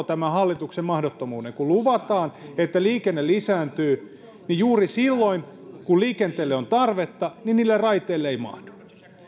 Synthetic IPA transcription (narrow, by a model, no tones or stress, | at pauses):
t̪æmæhɑlːit̪uksemmɑhdot̪ːomuːneŋkuluʋɑt̪ɑːnet̪ːæliːkenːelisæːnt̪yː | nijuːrisilːoinkulliːkent̪eːlːeont̪ɑrʋet̪ːɑninniːlːerrɑit̪ˑeːlːeeimɑ̰hd̥u̥